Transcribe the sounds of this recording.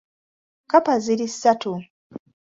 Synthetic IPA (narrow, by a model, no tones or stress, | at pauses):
kapaziɾisatu